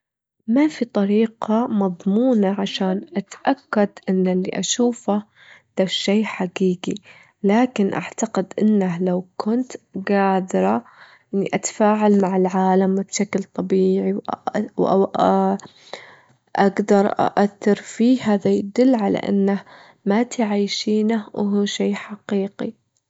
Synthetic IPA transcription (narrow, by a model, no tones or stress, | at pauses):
mafit̪ˤɑɾiːqɑmɑðˤmuːnaʕaʃaːnʔat̪ʔakːad̪ʔɪnːalːḭʔaʃuːfa | d̪̥aʃːejħaɡiːɡi | laːkɪnʔa̰ʕt̪aqɪd̪ʔɪnːaɦlawkʰʊnt̪ɡaːd̪ɪɾˤɑ | ʔɪnːiʔat̪ḁfaːʕalmaʕɪlʕaːlamwbʃaklt̪ˤɑbiːʕiwwʔ | ʔaɡd̪ɑɾˤʔa̰ʔaθːɪɾfiːhaːðajad̪ʊlːʕala̰ʔɪ̰nːah | mat̪ʕajʃiːnahwɪɦuːʃeːħaqiːqi